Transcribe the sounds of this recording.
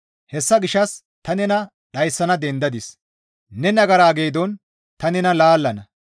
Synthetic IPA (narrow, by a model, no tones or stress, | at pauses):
hɛsːɐɡɪʃːɐs | t̪ɐnɛnɐ | ɗɐjsːɐnɐd̪ɛnd̪ɐd̪ɪs | nɛnɐɡɐɾaːɡejd̪ɔn | t̪ɐnɛnɐlaːlːɐnɐ